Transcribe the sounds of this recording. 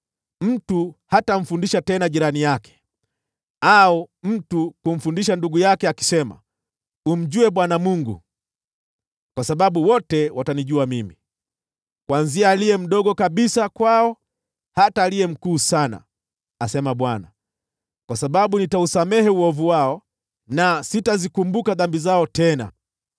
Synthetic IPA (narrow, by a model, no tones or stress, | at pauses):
m̩tuhatam̩fundiʃatɛnaʄiɾanijakɛ̥ | aɔm̩tukum̩fundiʃanduɡujakɛaki̥sɛma̰ | um̩ʄuɛɓwanamuŋɡṵ | kwasaɓaɓuwɔtɛwataniʄuamimi | kwanziaːliɛm̩ɗɔɡɔkaɓisakwaɔ | hataːliɛm̩kuːsana̰ | asɛmaɓwana | kwasaɓaɓunitausamɛhɛuɔvuwaɔ | nasitazikumbukaðambizaɔtɛna̰